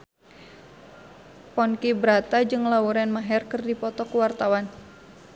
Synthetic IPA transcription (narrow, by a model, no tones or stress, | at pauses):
pɔnkibɾat̪ad͡ʒɨŋlauɾɛnmaɦɛrkɨrdipɔt̪ɔkuwart̪awan